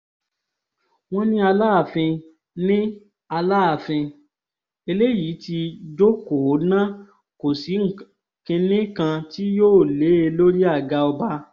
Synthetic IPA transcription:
w̃ɔ̃˦nĩ˦a˧laː˦a˦˨fĩ˧ | nĩ˦ | a˧la˦a˨fĩ˧ | e˧le˦ji˨˦ti˧d͡ʒo˦ko˨˦nã˦ | ko˨si˨˦ŋ̩˦˨ | kĩ˧nĩ˦kã˧ti˦joː˦˨le˨˦e˧lo˦ɾi˦a˦˨ɡa˧ɔ˧ba˦

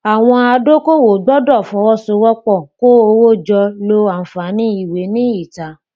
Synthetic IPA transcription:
a˨w̃ɔ̃˧a˧do˦ko˦˨wo˨ɡ͡bɔ˦dɔ˦˨fɔ̃˨˧˦wɔ˦˨so˧˦wɔ˦k͡pɔ˦˨ko˦o˧wo˦d͡ʒɔ˧lo˧a˨n̩˨fa˨˦nĩ˦i˦˨we˨˦nĩ˦i˦˨ta˨˦

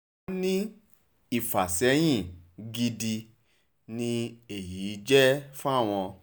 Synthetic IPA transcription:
nĩ˦ | i˦˨fa˨sɛ˨˦j̃ĩ˦˨ɡi˧di˧ | nĩ˧e˨jiː˨˦d͡ʒɛ˦fũ˦a˦˨w̃ɔ̃˧

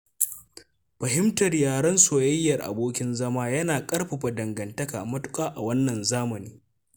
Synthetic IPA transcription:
ɸɐ˨ɦɪ˦mtɐ˨rjaː˨ɽɐ˦nsoː˨jɐ˦jːɐ˨rʔa̰˨boː˦kʲɪ˦nzɐ˦maː˦jɐ˦naː˨kʼɐ˦ɽɸa˨ɸa˨dɐ˨ŋɡɐ˨ntɐ˦ka̰ː˨mɐ˦tʊ̥˦kʼaː˦ʔa˨wɐ˦nːɐ˨nzaː˦mɐ˨niː˦

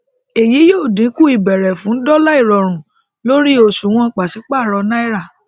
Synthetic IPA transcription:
e˨ji˨˦jo˦˨dĩ˨˦ku˦i˨bɛ˨ɾɛ˨fũ˨˦n̩˦dɔ˦la˦i˦˨ɾɔ˨ɾ̃ũ˨ | lo˦ɾi˦o˧˨sũ˨˦w̃ɔ̃˧k͡pa˨si˨˦k͡pa˦˨ɾɔ˧na˦i˦ɾa˦˨

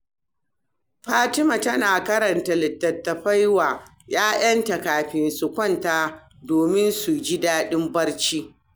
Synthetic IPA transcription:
ɸaː˦tɪ˦ma˨tɐ˦naː˨kɐ˦ɾɐ˨nta˨lɪ˨tːɐ˨tːɐ˨ɸɐ˦jwaː˨ | jaː˦jɐ˦nta˨kaː˨ɸɪ˨nsu˨kʷɔ˦˨ntaː˦ | doː˨mɪ˦nsu˨d͡ʒi˦daː˦ɗɪ˦mbɐ˦rt͡ʃiː˦

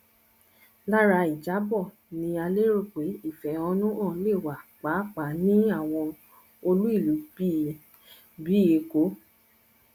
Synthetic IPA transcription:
la˦ɾa˧i˨d͡ʒa˨˦bɔ˦˨ | nĩ˧a˧le˦ɾo˦˨k͡pe˨˦i˦˨fɛ˨˦ɔ˧nũ˦ɔ̃˦˨˦le˦˨wa˨k͡pa˨˦k͡pa˨˦nĩ˦a˦˨w̃ɔ̃˧ | o˧lu˦i˦˨lu˨˦i˦ | bi˨˦e˧ko˨˦

